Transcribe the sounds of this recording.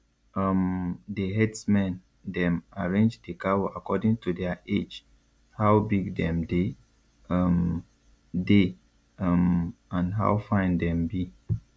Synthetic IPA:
ʌmdeɦɛdsmɛ̃n | dɛ̃maɹẽnd͡ʒdekawɔakɔdĩŋtʰudɛaʔed͡ʒ | hawbiɡdɛ̃mde | ʌm | de | ʌmãnɦa̰wfãɪ̃ndɛ̃mbi

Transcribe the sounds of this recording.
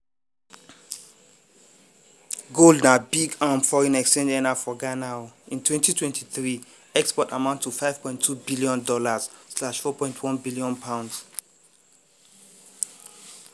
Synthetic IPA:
ɡoldnabiɡamfɔɹĩnɛkstɛ̃ndɛnafɔɡanaʊĩntʰwɛ̃ntitʰwɛ̃ntʰiθɹi | ɛkspɔtamãʊ̃ntʰːufaɪv̥pʰɔ̃ɪ̃ntʰubiliɔ̃ndɔlaz̥slaʃfɔpʰɔ̃ɪ̃ntʰwɔ̃nbiliɔ̃npʰãʊ̃nds

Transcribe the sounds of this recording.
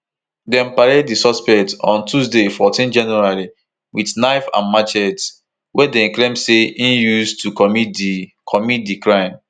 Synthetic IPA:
dɛ̃mpaɾeddisɔspɛk̚tɔ̰̃ntusdefɔtĩnd͡ʒɛ̃njuaɹi | widnaɪfã̰nmat͡ʃɛt | wɛdɛ̃nkɹãmseĩnjustʰukɔmitd | kʰɔmit̚dikɹãɪ̃m

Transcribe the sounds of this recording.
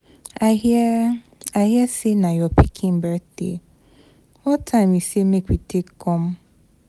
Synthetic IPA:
a | aɦjɛsinãjɔpikʰĩm̩bɛtḛ | wɔtʰaɪmisiemekʷitekɔm̩

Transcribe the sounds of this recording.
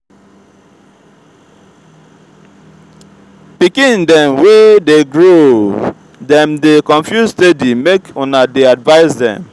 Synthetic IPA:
pikĩndɛ̃mwedeɡɹo | dɛ̃mdekɔ̃ɱfjuzstedimekonadeadvaɪzdɛ̰̃m

